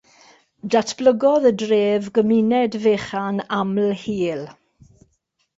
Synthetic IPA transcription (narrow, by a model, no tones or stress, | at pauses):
datʰb̥ləɡɔðədreːvɡəminɛdveːχanaml̩hiːl